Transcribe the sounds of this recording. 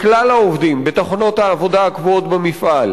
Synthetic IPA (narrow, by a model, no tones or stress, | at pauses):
klalaovd̪imbet̪aχono̞t̪haːvo̞d̪aːkvoot̪bemifʔal